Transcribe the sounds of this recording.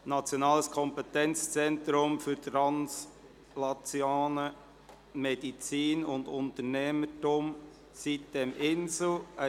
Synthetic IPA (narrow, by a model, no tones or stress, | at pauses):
nɑt͡sjonɑːləskʰɔmpɛt̪ɛnt͡st͡sɛntɾʊmfʏɾtɾɑns | lɑt͡sjaːnə | med̥it͡siːnʊnd̪ʊntəɾnɛmətʊm | sit̚d̪̥ɛmʔɪnsl̩ə